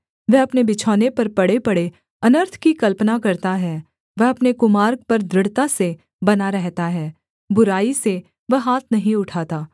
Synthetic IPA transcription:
ʋɛɦɐpnebɪt͡ʃʰɔːnepɐɾpɐɽepɐɽe | ɐnəɾt̪ʰkikɐlpnakɐɾt̪aɦɛː | ʋɐɦɐpnekʊmaːɾɡ̚pɐɾd̪ɾɪɽt̪ase | bɐnaɾɛɦt̪aɦɛː | bʊɾaːise | ʋɐɦɦaːt̪ʰnɐɦĩʊʈʰaːt̪aː

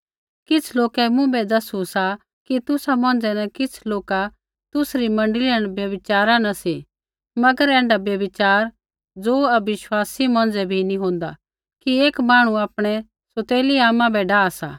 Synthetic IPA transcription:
kɪt͡sʰloːkɛmũbɛd̪ɐsusa | kit̪ʊsamɔ̃ːn̆d͡zɛnɐkɪt͡sʰloːka | t̪ʊsɾimɐ̃ɳɖlɪəɽ̃bjɐbɪt͡ʃaːɾanɐse | mɐɡəɾɛ̃ːɳɖabjɐbɪt͡ʃaːɾ | d͡zoːɐbɪʃwaːsimɔ̃ːn̆d͡zɛbʱinĩɦõːnd̪a | kieːkmaːɽ̃uaːpɽ̃ɛ | sot̪eːliaːmãbʱɛɖaːasa̰ː

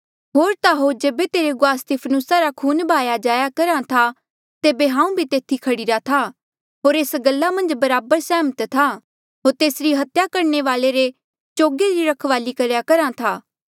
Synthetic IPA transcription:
ɦoːɾt̪aɦod͡ʒeːbet̪eːɾeɡʊaːst̪ɪpʰnusaɾakʰuːnbʱaːjad͡ʒaːjakɐɾãt̪ʰa | t̪eːbeɦãːũbʱit̪eːt̪ʰikʰɐɽiɾat̪ʰa | ɦoːɾeːsɡɐlːamɐ̃nd͡ʒbɐɾaːbəɾsɛːmət̪t̪ʰa | ɦoːɾt̪eːsɾiɦɐt̪jakɐɾɳeʋaːleɾe | t͡ʃoːɡeɾiɾɐkʰʋaːlikɐɾjakɐɾãt̪ʰaː

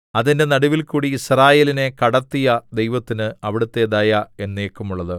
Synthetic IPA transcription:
ɐðinde̞nɐɽuʋilkuːɽiːsraːjeːline̞kɐɽɐt̪ːijɐd̪e̞jʋɐt̪ːinɨɐʋiɽut̪ːe̞d̪ɐːjɐe̞nːeːkːumuɭːɐðɨ

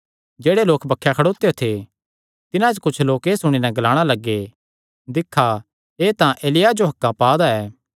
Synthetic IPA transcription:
d͡ʒeːɽeloːkbɐkʰːjakʰɐɽoːt̪ejot̪ʰe | t̪ɪnãd͡ʒkʊt͡ʃʰloːkeːsʊɽ̃inɛɡɐlaːɽ̃alɐɡːe | d̪ɪkʰːa | eːt̪ãʔeːlɪjad͡ʒoɦɐkːapaːd̪aɛː

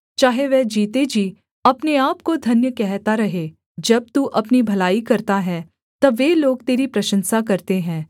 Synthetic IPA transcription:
t͡ʃaːɦeʋɛːd͡ʒiːt̪ed͡ʒiː | ɐpneaːp̚kod̪ʱɐnjəkɛɦt̪aɾɐɦeː | d͡ʒɐb̚t̪uʔɐpnibʱɐlaːikɐɾt̪aɦɛ | t̪ɐʋeːloːɡt̪eːɾipɾɐʃə̃nsakɐɾt̪eɦɛ̃ː

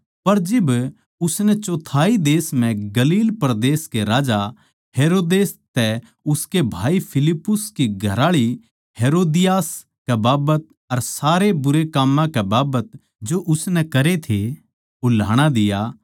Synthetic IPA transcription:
pɐɾd͡ʒɪb | ʊsnɛt͡ʃoːt̪ʰaːid̪eːsm̤ɛ̃ɡɐliːlpɾd̪eːskeɾaːd͡ʒa | ɦeːɾoːd̪eːst̪ɛ | ʊskebʱaːipʰɪlɪpːʊskiɡʱɐ̰ɾaːɭi | heːɾoːd̪ɪjaːs | kɛbaːbət̪̚ | ɐɾsaːɾebʊɾekaːmːãkɛbaːbət̪̚ | d͡ʒoʔʊsnɛkɐɾet̪ʰe | ʊla̰ːɽ̃ad̪ɪja

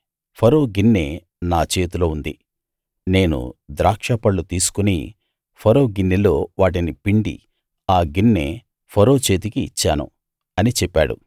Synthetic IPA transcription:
pʰɐɾo̞ːɡinːe | naːt͡ʃe̞ːt̪uloːund̪ḭ | ne̞ːnṵd̪ɾaːkʂɐpɐɭːut̪iːsu̥kunḭ | pʰɐɾo̞ːɡinːilo̞ːʋaːʈ̬inipiɳɖḭ | aːɡinːḛ | pʰɐɾo̞ːt͡ʃe̞ːt̪ikiːt͡ʃːa̰ːnṵ | ɐnit͡ʃɛpːaːɽṵ

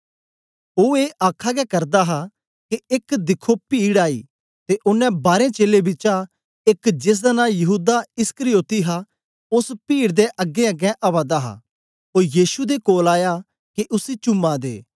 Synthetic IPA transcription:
oːeːʔaːkʰaɡɛkɐɾd̪aɦa | keɪkd̪ɪkʰopiːɽaːḭː | t̪eʔʊnːɛ̃baːɾẽt͡ʃeːlebɪt͡ʃa | ɪkd͡ʒɪs̬d̪anãːjɐɦuːd̪aɪskəɾɪjoːt̪iɦa | ʊspiːɽd̪eʔɐɡeəɡɛʔaʋaːd̪aɦa̰ | ɦoːɾjiːʃud̪ekoːlaːja | keʔʊsit͡ʃʊmːad̪ḛː

